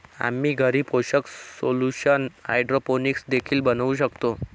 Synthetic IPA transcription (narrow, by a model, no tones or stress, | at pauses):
a̰miːɡʱəɾiːpoɕəksoluɕəna̰jɖɾoponiksd̪ekʰiːlbənaʋuɕ̬əkt̪o